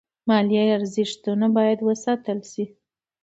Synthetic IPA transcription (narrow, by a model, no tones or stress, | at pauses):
mɑljejaɾzɪʂt̪unabɑjad̪wəsɑt̪əlʃi